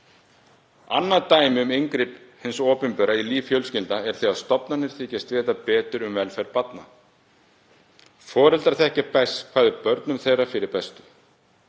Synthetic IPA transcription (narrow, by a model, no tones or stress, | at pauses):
a̰nːat̪aːjmɪʏmejŋkɾiːphɪnsɔːpʏnpœɾailiːvfjœlscɪlt̪aɛɾ̥θeast̪ɔpnanːɪɾ̥θicɛst̪vɪɛt̪ːapɛːt̪ʏɾʏmvɛlfɛjɾpat̪na | fɔːɾɛlt̪aɾθɛhcɪpɛskʰvaːðɪɾpœɾt̪nʏmθejrafɪɾɪɾ̥pɛst̪ʏ̥